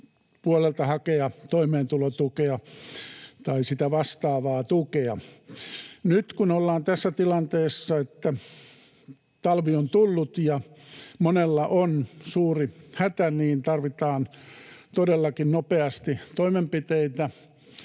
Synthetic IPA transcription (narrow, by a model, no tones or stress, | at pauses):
puolelt̪ɑhɑkeɑt̪oimeːnt̪ulot̪ukeɑ | t̪ɑisit̪æʋɑst̪ɑːʋɑːt̪ukeɑ | nyt̪kunolːɑːnt̪æsːæt̪ilɑnt̪eːsːɑet̪ːæ | t̪ɑlʋiont̪ulːut̪jɑmonelːɑʔonsuːrihæt̪æniːnt̪ɑrʋit̪ɑːnt̪odelːɑkinnopeɑst̪it̪oimempit̪eit̪æ